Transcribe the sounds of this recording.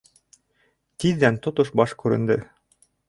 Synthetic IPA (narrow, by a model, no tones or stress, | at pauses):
t̪iðd̪ænt̪ot̪oʃbɑʃkʉɾɘ̆nd̪ɘ